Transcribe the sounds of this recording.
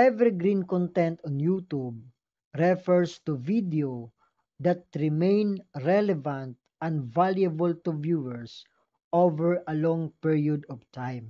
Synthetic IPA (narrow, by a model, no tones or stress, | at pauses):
ɛvɛɾiɡɾĩnkɔ̃nt̪ɛ̃nt̪ɔ̃njut̪ub̚ | ɾɛfɛɹst̪uvid̪eo | d̪at̪̚ɾɪmẽjnɹɛlɛvãnt̪̚ | ɐ̃nvaljɐbɔlt̪uvjuɛɹs | ʔovɛɹɐlɔ̃ŋpiɹiɔd̪ɔvt̪ʰãjm